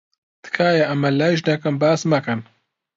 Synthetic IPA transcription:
t̪ɨ̥kʰaːjɐʔɐmɐlaːiʒnɐkɐmbaːsmɐkɐn

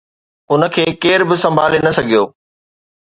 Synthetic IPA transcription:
ʊnə̆kʰeːkeːɾbɪsɐ̃mbʱaːlenɐsɐɡʱijoː

